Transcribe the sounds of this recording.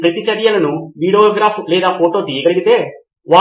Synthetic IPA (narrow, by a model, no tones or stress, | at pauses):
pɾɐt̪it͡ʃɐɾjɐlɐnuʋiːɽeoːɡɾaːpʰulɛːd̪aːpʰoːʈo̞ːt̪ijɐɡɐɭɾiɡit̪e̞ː | ʋaː